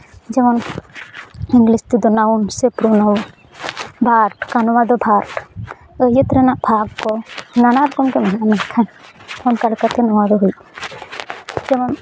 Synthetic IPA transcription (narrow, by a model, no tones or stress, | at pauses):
d͡ʒɛmɔn | iŋɡlist̪id̪ɔnawunsepɾunawun | bʱaɾʈkanɔwad̪ɔbʱaɾʈ | əjət̪ɾɛnaʔbʱaɡkɔnanaɾkɔmkɛmaɦaʔnɛkʰanɔnkaɽkat̪ɛnɔwad̪ɔɦuj | d͡ʒɛmɔn